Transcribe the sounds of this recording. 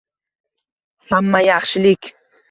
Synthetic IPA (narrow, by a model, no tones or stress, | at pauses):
hamːajɑχʃɪlɪk